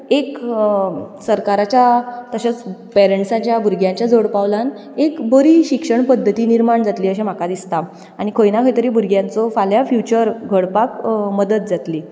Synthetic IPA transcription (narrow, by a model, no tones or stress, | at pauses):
ek | səɾkaɾat͡ɕjat̪əɕət͡spɛɾeɳʈsãɲt͡ɕjabʱuɾɡʱjãɲt͡ɕjad͡zoɽpaʋlan | ekbəɾiːɕikʂəɳpəd̪ʱːət̪iːniɾmaɳd͡zat̪liːəɕem̤akad̪ist̪a | aɽ̃ikʰojnakʰəjt̪əɾiːbuɾɡʱjãnt͡sɔfaljafjut͡ɕəɾɡʱəɽpakməd̪ət̪̚d͡zat̪liː